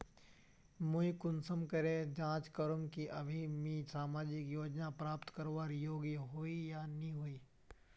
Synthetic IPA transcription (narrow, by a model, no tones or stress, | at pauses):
mʊikʊnsəmkɐɾed͡ʒãːt͡ʃkɐɾʊmkiʔɐbʱimĩsaːmaːd͡ʒɪkjoːd͡ʒnapɾaːpt̪kəɾʋaːɾjoːɡjiɦoːijaniɦoːiː